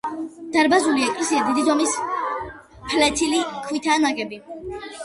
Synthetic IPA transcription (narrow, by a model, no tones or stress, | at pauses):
d̪̥aɾbazuliɛkʼlɛsiad̪id̪izɔmis | pʰlɛt̪ʰilikʰwit̪ʰanaɡɛbi